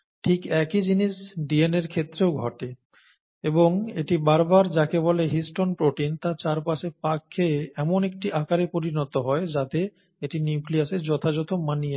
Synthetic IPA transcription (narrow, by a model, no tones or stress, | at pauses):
ʈʰikɛkid͡ʑiniʃɖieneɾkʰet̪ːɾeoɡʱɔʈe | eboŋeʈibaɾbaɾd͡ʑakebɔleɦisʈonpɾoʈint̪at͡ɕaɾpaʃepakʰːeeɛmonek̚ʈiʔakaɾepoɾinot̪oɦɔed͡ʑat̪e | eʈiniukliaseɾd͡ʑɔt̪ʰad͡ʑɔt̪omanije